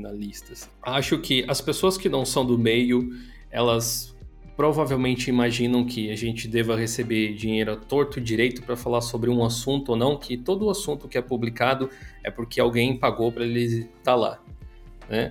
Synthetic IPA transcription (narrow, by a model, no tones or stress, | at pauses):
nalist̪ɐsaʃʊkʰɪʔɐspesoɐskɪnɐ̃w̃sɐ̃w̃d̪ʊmejʊ | ɛlɐs | pɾovavewmẽnt͡ʃɪimaʒĩnɐ̃w̃kʰɪaʒẽnt͡ʃɪd̪ɛvɐhesebed͡ʒĩɲejɾʊɐt̪oɾt̪ʊd͡ʒiɾejt̪ʊpɾɐfalasobɾɪũasũnt̪ʊonɐ̃w̃kʰɪt̪od̪ʊasũnt̪ʊkɪɛpublikad̪ʊɛ̰pʊɾkʰɪawɡẽj̃paɡopɾɐelɪt̪ala̰ | nɛ